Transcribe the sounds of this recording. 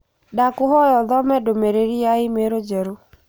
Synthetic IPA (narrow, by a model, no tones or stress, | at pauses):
dakʊɦɔjɔðɔmɛdomeɾeɾiaɪmeɾod͡ʒɛɾo